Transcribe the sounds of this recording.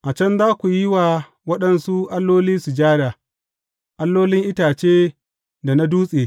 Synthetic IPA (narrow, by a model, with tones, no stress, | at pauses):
ʔa˨t͡ʃɛ˦nzaː˦kʷu˨ji˦waː˨ | wɐ˦ɗɐ˨nsu˦ʔa˦lːoː˦liː˦su˨d͡ʒaː˦da˨ | ʔa˦lːoː˦lɪ˦ŋʔɪ˦taː˨t͡ʃeː˦ | da˨na˦duː˦sʼeː˨